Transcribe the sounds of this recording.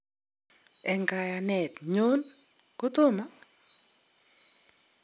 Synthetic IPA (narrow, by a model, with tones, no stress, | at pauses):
ɛ˨ŋɡa˨ja˨nɛ˨t̪ɲo˦n | ko˦to˦ma˦